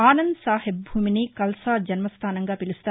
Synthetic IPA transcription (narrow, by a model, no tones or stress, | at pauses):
aːnɐnd̪saːɦeb̚bʱuːminikɐlsaːd͡ʒɐnmɐst̪ʰaːnɐŋɡaːpilisu̥t̪ː